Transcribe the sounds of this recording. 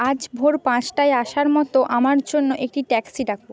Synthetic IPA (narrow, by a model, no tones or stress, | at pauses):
ad͡ʑbʱoɾpãt͡ɕʈajaʃaɾmɔt̪oʔamaɾd͡ʑonːoʔek̚ʈiʈɛksiɖak̚ʰbo